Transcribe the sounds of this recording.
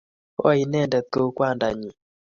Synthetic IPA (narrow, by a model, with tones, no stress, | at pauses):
ɔ̰˦i˨nɛ˦˨ndɛ˨t̪o˦kwa˦˨nda˨ɲi˨